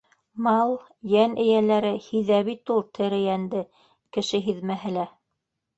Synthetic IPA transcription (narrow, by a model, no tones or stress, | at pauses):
mɑlˠ | jænɘ̆jælæɾɘhiðæβit̪ulˠt̪ʰɘ̆ɾɘ̆jænd̪ɘ | kɘ̆ʃɘɦiðmæɦɘlæ